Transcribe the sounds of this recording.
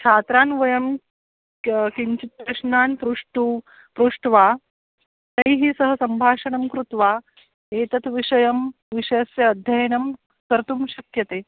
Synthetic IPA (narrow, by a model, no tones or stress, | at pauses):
t͡ʃʰaːt̪ɾaːnʋɐjɐm | kiɲt͡ʃit̪̚pɾɐʂnaːnpɾuʂʈu | pɾuʂʈʋaː | t̪ɐjɦiːsɐɦəsɐmbʱaːʂɐɳɐmkɾut̪ʋaː | eːt̪ɐt̪ʋiʂɐjɐm | ʋiʂɐjɐsjɐːd̪ʱjɐjnɐm | kɐɾt̪umɕɐkjɐt̪eː